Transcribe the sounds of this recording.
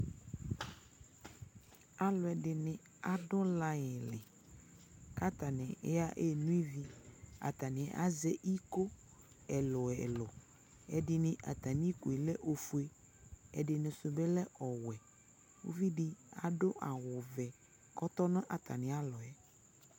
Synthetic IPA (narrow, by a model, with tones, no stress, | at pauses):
a˦lɔ˨ɛ˨dɪ˨nɪ̃˨ | a˨dɔ˦la˦jɪ˨lɪ̰˨ | ka˦t̪a˨nɪ̰˨˦a˦ʔe˦˨nũ˦i˦vi˦a̰˨t̪a˨nɪ̃˨ʔa̰˦zɛ˦ʔi˦ko˦ | ɛ˨lɔ˨ɛ˨lɔ˨ | ɛ˨dɪ˨nɪ̃˨ʔa˨t̪a˨nĩ˦ko˨i˨lɛ˦ʔo˨fu˦e˦ | ɛ̰˨dɪ˨nɪ̃˨sʊ˨bɛ˦lɛ˦ʔɔ˨wɛ˨ | wo̰˦vi˦dɪ˦a̰˨ɖʊ˦ʔa˨wʊ˨vɛ˨ | kɔ˦t̪ɔ˦nã˦ʔa˨t̪a˨nɪ̃˨a˦lɔ˨ɛ˨